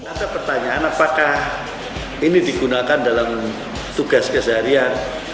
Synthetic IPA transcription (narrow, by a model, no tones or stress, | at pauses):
ŋadapərt̪aɲaanapakah | inidiɡunakandalam | t̪uɡaskəsaɾian